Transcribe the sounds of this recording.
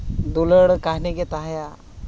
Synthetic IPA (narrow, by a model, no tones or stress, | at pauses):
d̪uləɽkaɦneɡet̪aɦja